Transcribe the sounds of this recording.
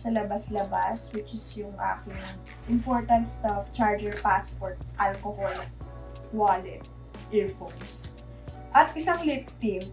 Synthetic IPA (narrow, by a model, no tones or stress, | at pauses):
sɐlɐbaslɐbaswɪt͡ʃɪsjʊŋʔa̰ːkɪŋ | ʔɪmpoɹt̪ɐnt̪st̪aft͡ʃaɹd͡ʒɛɹpaspɔɹt̪̚ʔɐlkohol | walɪt̪̚ | ʔɪɹfoks | ʔɐt̪ʔɪsaŋlɪp̚t̪ɪ